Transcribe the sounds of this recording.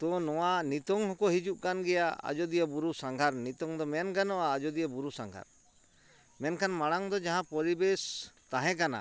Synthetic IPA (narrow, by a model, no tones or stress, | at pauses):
t̪ɔnɔwaʔnit̪ɔŋhɔkɔhid͡ʒuʔkanɡɛjaa̰d͡ʒɔd̪ijabuɾusaŋɡʱaɾnit̪ɔŋd̪ɔmɛnɡanɔaːd͡ʒɔd̪ijabuɾusaŋɡʱa̰ɾ | mɛnkʰanmaɽ̃aŋd̪ɔd͡ʒaɦãpɔɾibest̪aɦɛ̃k̬ana̰